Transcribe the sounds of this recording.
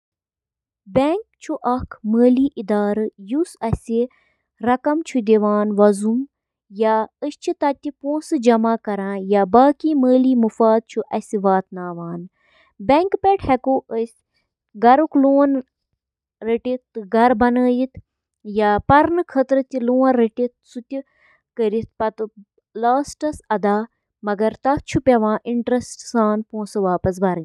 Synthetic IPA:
bɛŋkt͡ʃʰuʔɐkʰməːliːʔid̪aːɾɨjusɐsʲi | ɾɐkɐmt͡ʃʰud̪eʋaːnʋɐzum | jaːəst͡ʃʰit̪ɐt̪ʲːipõːsɨd͡ʒɐmaːkɐɾãːjaːbaːkiːməːliːmufaːd̪̚t͡ʃʰuʔɐsiʋaːt̪naːʋaːn | bʲɛŋkpeʈhɛkoʔəsʲ | ɡɐɾukloːn | ɾiʈit̪ːɡʱɐɾbɐnəːjit̪ | jaːpɐɾnɨkʰɐt̪ɾɨt̪ʲiloːnɾiʈit̪̚sut̪ʲi | kəɾit̪pɐt̪ | laːsʈɐsɐd̪aː | mɐɡɐɾt̪ɐt͡ʃʰupʲɐʋãːʔiɳʈɾɐsʈsaːnpõːsɨʋaːpɐs̬bɐɾɨ

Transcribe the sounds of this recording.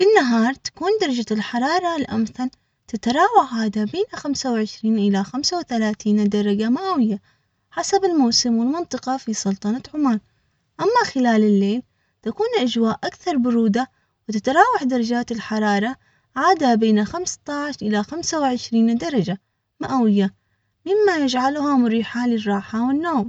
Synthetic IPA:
fɪnːaɦɑːɾˤt̪ḁkuːnd̪ɑɾˤɑd͡ʒalħɑɾˤɑːɾˤɑlʔamθal | t̪at̪ɾˤɑːwaħʕaːd̪abeːnaxamsawʕɪʃɾiːnʔɪlaxamsawɪθalaːθiːnd̪ɑɾˤɑd͡ʒamaːwɪjːa | ħasabɪlmawsɪmwɪlmɪnt̪ˤɨqɑfisˤʊlt̪ˤɑnɑt̪ʕʊmaːn | ʔamːaxɪlaːlɪlːeːl | t̪akuːnʔad͡ʒwaːʔʔakθɑɾˤbʊɾuːd̪a | wɪt̪ɪt̪ɾˤɑːwaħd̪ɑɾˤɑd͡ʒaːt̪ɪlħɑɾˤɑːɾˤɑ | ʕaːd̪abeːnaxamst̪ˤɑʕʃʔɪlaxamsawɪʕɪʃɾiːnd̪ɑɾˤɑd͡ʒa | maʔawɪjːa | mɪmːajɪd͡ʒʕalʊhamʊɾiːħalɪrˤːɑːħawɪnːoːm

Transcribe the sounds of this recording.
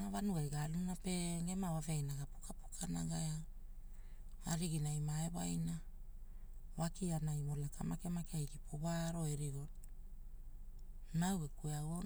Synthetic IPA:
avanuajɡalunape̞ŋe̞mawaveajnaɡapu̥kapu̥kʰanaɡaja | aɾiɡinajmaeβajna | wakianajmolakamake̞makeajɡipʰoβaɾo̞eɾiɡo | nawekueawo

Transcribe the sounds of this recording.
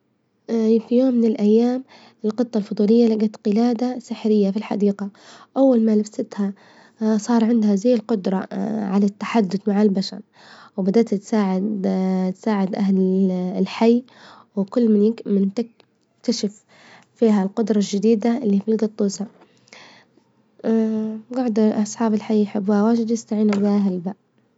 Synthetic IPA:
fijoːmːɪnɪlʔajːaːm | ɪlqɨt̪ˤːɑlfʊd̪ˤuːlɪjːalaɡat̪qɪlaːd̪asɪħɾɪjːafilħa̰d̪iːqaʔawːalmalabsɪt̪ha | sˤɑːɾˤʕɪnd̪hazajːɪlqʊd̪ɾˤɑʕalat̪ːḁħad̪ːʊθmaʕalbaʃa̰ɾ | wbad̪aːt̪t̪saːʕɪ | t̪saːʕɪd̪ʔahllħajː | wɪkʊlːmɪnjɪmɪnt̪ɪ | kt̪aʃɪf | fiːɦalqʊd̪ɾˤɑlʒɪd̪iːd̪aʔɪlːiːfilɡɑt̪ˤːuːsa | ɡɑʕd̪ʔɑsˤħɑːbɪlħajːjħɪbːuːhawaːd͡ʒɪd̪jɪst̪aʕiːnabɪʔaɦalbaʔ

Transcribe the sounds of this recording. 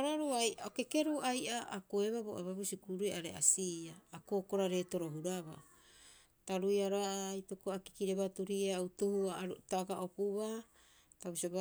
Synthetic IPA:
oɾaɾuajaoke̞keɾuʔajʔaːkoeβaboʔaβaβusikuɾueaɾḛa̰siaːkoːko̞ɾaɾe̞to̞ɾo̞ɦuɾaβa̰ | taɾujaɾoajtokoaki̥kiɾeβatuɾieautohuataɡaʔopuβa | taβusiob

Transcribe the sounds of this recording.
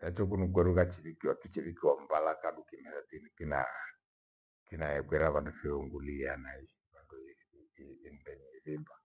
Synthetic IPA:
jat͡ʃɔk̬unukwɛɾukat͡ʃiβikiwakit͡ʃiβikiwambalakandukimɛsat̪inikina̰ | kinaɛkwɛɾaβandufiɔŋɡulianai | βanduː | ndɛɲɛiðimba

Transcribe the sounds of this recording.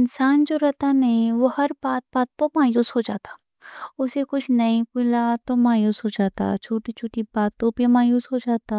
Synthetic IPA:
ɪnsaːnd͡ʒoːɾɐɦt̪anɐɦĩʋohɐɾbaːt̪̚baːt̪̚pomaːjuːsɦod͡ʒaːt̪ḁː | ʊsekʊt͡ʃʰnɐĩpʊlat̪omaːjuːsɦod͡ʒaːt̪a̰t͡ʃʰoːʈit͡ʃʰoːʈibaːt̪ːopemaːjuːsɦod͡ʒaːt̪a

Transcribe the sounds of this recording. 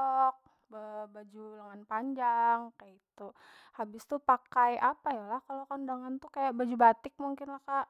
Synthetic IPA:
ɔk̚ | bəbad͡ʒuləŋanpaɲd͡ʒaŋkajait̪u | habɪst̪upakajapajalahkalokandaŋant̪ukajaʔbad͡ʒubat̪ɪk̚muŋkɪnlahka

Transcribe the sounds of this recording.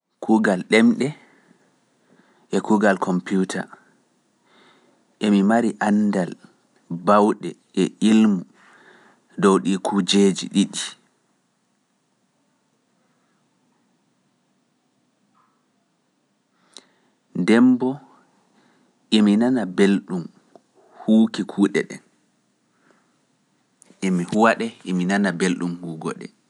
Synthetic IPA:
kʰuɡalɗɛmɗɛ | ʔɛkuɡalkʰɔmputʰa̰ | ʔemimaɾiʔandal | bawɗɛ̰ʔɛʔilmu | dɔwɗikʰud͡ʒeːd͡ʒḭɗiɗi | ndɛmbɔ | ʔiminanabelɗum | huːkikʰuːɗɛ̰ɗɛ̰n | ʔimihuwaɗɛʔiminanabelɗumhuːɡɔ̰ɗɛ̰

